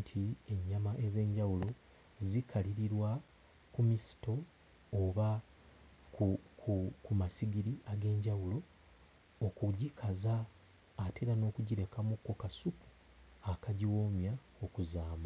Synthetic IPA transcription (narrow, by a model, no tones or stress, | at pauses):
tʰie̞ɲːamaʔe̞ze̞ːɲɟawulo̞ | zikʰaliɾiɾwa | kumisi̥to̞ | oβa | kukukumasiɡiɾiaɡe̞ːɲɟawulo̞ː | kuɟikʰazaː | te̞ɾano̞ːkuɟiɾe̞kamukːo̞kasupu̥ | akaɟiwo̞ːmja | okuzaːma